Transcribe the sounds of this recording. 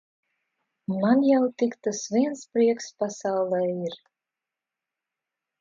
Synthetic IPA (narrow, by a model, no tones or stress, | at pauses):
manjawt̪ikt̪asvʲiɛnspɾiɛkspasawlˠɛiɾ